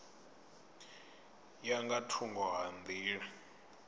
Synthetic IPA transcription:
jaŋɡatʰuŋɡɔɦand̪ʱiːɺɛ

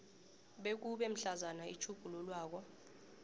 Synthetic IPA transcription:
ɓek̬uɓɛm̩ɬazanaḭt͡ʃʰuɡ̥ʱululwaːk̬ɔ

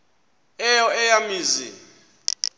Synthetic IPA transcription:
ɛjɔɛjamiːzḭ

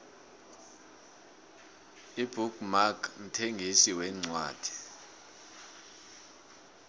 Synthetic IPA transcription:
ibʱukmakʰn̩tʰeŋɡʱisiwɛːŋ͡ǀwa̰ːd̥ʱi̥

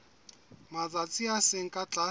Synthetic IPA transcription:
mad͡zat͡sʼiaseŋ̩kʼat͡ɬʼa

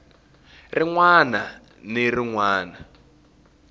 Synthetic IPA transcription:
riŋwana | niriŋwaːna

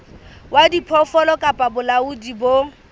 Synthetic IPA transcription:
wadipʰɔfɔlɔkʼapʼabʊlaudibo

